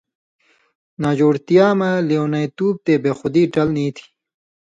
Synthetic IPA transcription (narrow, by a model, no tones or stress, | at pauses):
naːd͡ʑoːɽt̪ijaːmɐlewnɐjt̪uːb̚t̪eːbexʊd̪iːʈɐlniːt̪ʰi̥